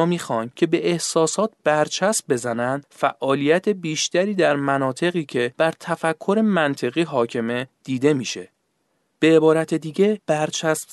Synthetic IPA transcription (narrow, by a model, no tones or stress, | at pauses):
miːxɒːncʰe̞be̞ʔehsɒːsɒːt̪̚b̥æɾt͡ʃʰæsmbe̞zænænd̪̥fæʔʔɒːlijæt̪ʰe̞biːʃt̪æɾiːd̪æɾmænɒːt̪ʰe̞ɣiːcʰe̞b̥æɾt̪ʰæfækʰːo̞ɾe̞mænt̪ʰe̞ɣiːɦɒːcʰe̞me̞d̪̥iːd̪e̞miːʃe | b̥e̞ːbɒːɾæt̪ʰed̪iːɟe̞b̥æɾt͡ʃʰæsm